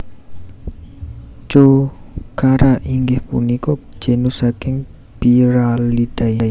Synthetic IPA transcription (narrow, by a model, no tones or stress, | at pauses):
t͡ʃokaɾaʔiŋɡɪhpṵnikɔ̥d͡ʒ̥enusakɪŋ | piɾalid̥aja